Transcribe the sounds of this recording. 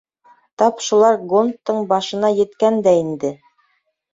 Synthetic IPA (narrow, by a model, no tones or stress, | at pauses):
t̪ɑpʃulˠɑɾɡont̪ːɤɴbɑʃɤ̆nɑjɘ̆t̪kænd̪æind̪ɘ